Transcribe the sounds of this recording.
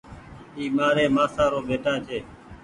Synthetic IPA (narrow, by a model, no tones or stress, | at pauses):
iːmaːɾeːmaːsaːɾoːbeːʈãːt͡ʃʰeː